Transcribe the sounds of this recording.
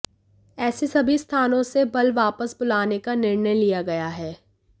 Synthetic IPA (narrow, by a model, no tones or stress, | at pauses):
ɛːsesɐbʱist̪ʰaːnõsebɐlʋaːpəsbʊlaːnekanɪɾɳəjlijaɡɐjaɦɛː